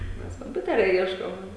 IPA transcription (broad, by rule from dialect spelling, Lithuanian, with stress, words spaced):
ˈmʲɛs koːmʲˈpʲʊtʲɛrʲɛ ˈiɛʃkoːm